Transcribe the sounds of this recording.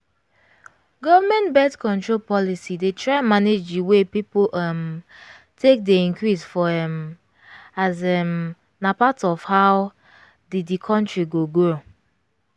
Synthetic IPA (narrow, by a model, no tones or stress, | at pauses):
ɡɔvəmɛ̃ntbɛtkɔ̃ntɹolpɔlisidetʰɹaɪmaned͡ʒdiwepipolɛm | tʰek̚deĩnkɹisfɔɛ̃m | azɛm | napatɔfhaw | diddikʰɔ̃ntɹiɡoɡo